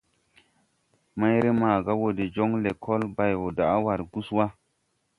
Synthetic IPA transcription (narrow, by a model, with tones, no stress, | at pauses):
ma˦jɾe˦maː˨ɡa˦wo˨de˨d͡ʒo˦ŋle˨kʰo˦lba˨jwo˨da˨a˦wa˨ɾɡu˦swa˦